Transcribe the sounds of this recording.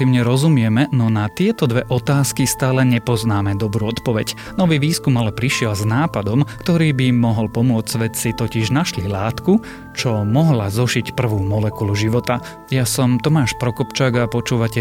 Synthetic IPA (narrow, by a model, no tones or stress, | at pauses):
iːʊɲɛɾɔzumɪɛmɛnɔnat̪ɪɛt̪ɔd̪ʋɛʔɔt̪aːskist̪aːlɛɲɛpɔznaːmɛd̪ɔbɾuːɔt̪pɔʋɛɟ | nɔʋiːʋiːskumalɛpɾiʃɪɛlznaːpad̪ɔmkt̪ɔɾiːbimɔɦɔlpɔmʊɔd͡zʋɛt̪sit̪ɔciʒnaʃlilaːt̪ku | t͡ʃɔmɔɦlazɔʒicpr̩ʋuːmɔlɛkuluʒiʋɔt̪a | jasɔmt̪ɔmaːʃpɾɔkɔpt͡ʃaːɡapɔt͡ʃuːʋacɛ